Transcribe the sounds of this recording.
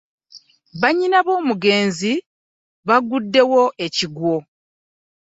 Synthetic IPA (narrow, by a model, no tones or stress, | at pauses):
βaɲːinaβo̞ːmuɡe̞ːnzi | βaɡudːe̞wo̞ʔe̞ciɡwo̞